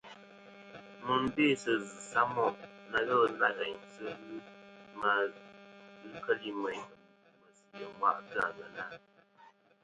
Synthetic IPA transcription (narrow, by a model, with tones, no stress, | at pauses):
mu˨n˦be˦˨sə˨zɨ˨sa˦mɔ˦˨ʔna˦ɣə˦˨˦na˦˨ɣɛ˨ɲ˨sə˦ɣɯ˦ma˨ | ɣɨ˦kə˦li˦mə˨ɲ | mə˨si˨ə˨˦wa̰˦˨ʔta̰˨ɣə˨na˦˨